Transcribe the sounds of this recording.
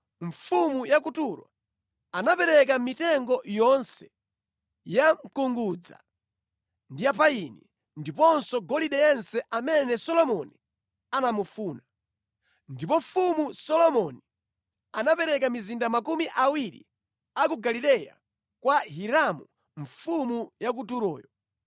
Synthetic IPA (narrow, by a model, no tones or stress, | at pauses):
ɱfumujakutuɾwa̰ | anapɛɾɛk̬amitɛŋɡɔjɔnsɛ̥ | jam̩kuŋɡud͡za̰ | ndijapaini | ndipɔnsɔɡɔliɗɛjɛnsɛʔamɛnɛsɔlɔmɔni | anamufuːna | ndipɔfumusɔlɔmɔni | anapɛɾɛkamizindamakumiʔawiɾḭ | akuɡalilɛja̰ | kwaɦiɾamu | ɱfumujak̬utuɾɔːjɔ